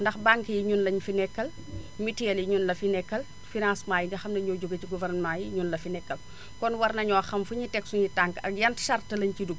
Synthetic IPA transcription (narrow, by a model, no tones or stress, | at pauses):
ndɐxbaŋkjiɲunlɐɲfinɛkːɐl | mitijɐljiɲunlɐfinɛkːɐl | finãsmaːjinɡixɐmnɐɲɔɟuɡɐtiɡuvɛrnmaːjiɲunlɐfinɛkːɐl | kɔnwɐrnɐɲɔxɐmfuɲitɛksuɲitaŋkɐ̰k̚jɐntʃɐrtɐlɐɲciduɡ̚